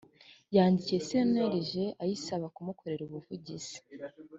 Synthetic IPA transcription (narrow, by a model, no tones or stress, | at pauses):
jaːndicije̞seneɾiʒe̞ʔajisaβakumuko̞ɾe̞ɾuβuvuɟiz̥i̥